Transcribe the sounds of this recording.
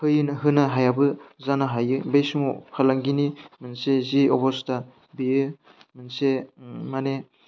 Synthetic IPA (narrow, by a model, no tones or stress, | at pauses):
pʰɯjɯnɦɯnaɦajabɯzanaɦajɯbejsumɔpʰalaŋɡinimɯnseziɔbɔsta | bijɯ | mɯnsemane